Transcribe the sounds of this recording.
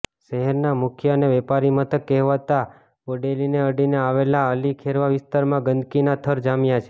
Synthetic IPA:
ʃɛɦɛɾnamʊkʰjəəneʋɛpaɾimət̪ʰəkːɛɦʋat̪a | oɖelineəɖineaʋelaəlikʰeɾʋaʋɪst̪aɾmãɡənd̪kinat̪ʰəɾd͡ʒamjat͡ʃʰe̥

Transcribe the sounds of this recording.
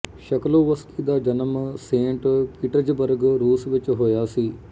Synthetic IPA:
ʃəkloːʋəskiːd̪aːd͡ʒənəmsẽːɳʈkɪʈəd͡ʒbəɾɡɾuːsʋɪt͡ʃɦoːjaːsiː

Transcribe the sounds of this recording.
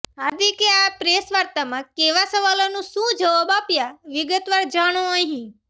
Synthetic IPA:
ɦad̪ikeapɾesʋəɾt̪amãkeʋasəʋalonũʃũd͡ʒəʋabapjaʋɪɡət̪ʋaɾd͡ʒaɽ̃oəɦĩ

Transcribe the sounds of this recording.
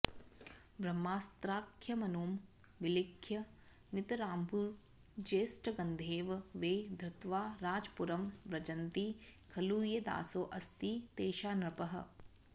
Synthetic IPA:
bɾɐmːaːst̪ɾaːkʰjɐmɐnoːm | ʋɪlɪkʰjɐ | nɪt̪ɐɾaːmbʱu | d͡ʒeːsʈɐɡɐnd̪ʱeːʋʋeːd̪ʱɾɐt̪ʋaːɾaːd͡ʒpuɾɐmʋɾɐd͡ʒɐnt̪ikʰɐluːjɐd̪a̰ːsoːʔɐst̪it̪eːʃaːnɾɐpɐɦɐ̰̆

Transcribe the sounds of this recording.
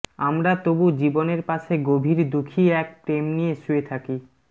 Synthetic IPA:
amɾat̪obud͡ʑiboneɾpaʃʰeɡobʱiɾd̪ukʰiɛk̚pɾemnijeʃuet̪ʰaki

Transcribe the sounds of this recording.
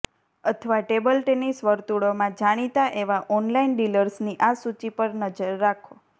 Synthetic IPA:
ət̪ʰʋaʈebəlʈenisʋəɾt̪uɽomãd͡ʒaɽ̃it̪aʔeʋaʔɔnlainɖiləɾsniʔasut͡ʃipəɾnəd͡ʒəɾːakʰo

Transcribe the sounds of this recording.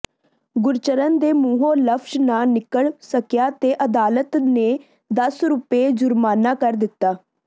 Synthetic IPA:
ɡʊɾt͡ʃəɾənd̪eːmuːɦõːləpʰʃnãːnɪkəɭsəkjaːt̪eːʔəd̪aːlət̪neː | d̪əsɾuːpeːd͡ʒʊɾmaːnaːkəɾd̪ɪt̪ːaː

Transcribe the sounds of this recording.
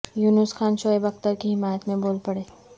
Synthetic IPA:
juːnusxaːnʃoːebɐxt̪əɾkiɦɪmaːjət̪mẽboːlpɐɽeː

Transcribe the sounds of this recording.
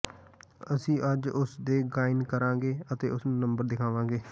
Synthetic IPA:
əsĩːʔəd͡ʒʊsd̪eːɡaːɪnkəɾãːɡeːət̪ḛːʊsnũːnəmbəɾd̪ɪkʰaːʋãːɡeː

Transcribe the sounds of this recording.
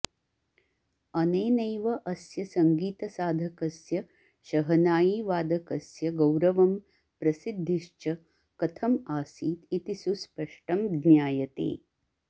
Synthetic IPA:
ɐneːnɐjʋɐʔɐsjɐsɐŋɡiːt̪ɐsaːd̪ʱɐkɐsjɐ | ʃɐɦɐnaːjiʋaːd̪ʱɐkɐsjɐɡɐwɾɐʋɐm | pɾɐsid̪ʱːiʃt͡ʃɐ | kɐt̪ʰɐmaːsiːt̪it̪isuspɐʂʈɐmd̪njaːjɐt̪ḛː

